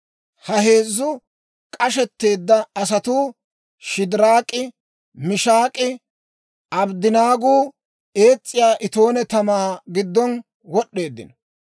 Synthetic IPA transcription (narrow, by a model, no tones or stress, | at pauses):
hɐhe̞ːzːʊ | kʼɐʃɛt̪ːe̞ːd̪ːɐːs̬ɐt̪uː | ʃɪd̪ɪɾaːkʼɪ | mɪʃaːkʼɪ | ʔɐbd̪ɪnaːɡuː | e̞ːt͡sʼːɪjaːʔɪt̪o̞ːnɛt̪ɐmaːɡɪd̪ːɔn | wɔɗːe̞ːd̪ːɪ̰nɔ